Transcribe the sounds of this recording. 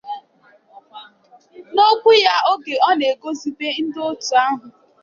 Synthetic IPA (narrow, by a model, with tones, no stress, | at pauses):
no˦kʷʊ˦ja˦o˦ɡe˨ɔ˦ne˨ɡo˦zi˨be˦n̩˦do˦tu˨a˦ɦʊ˨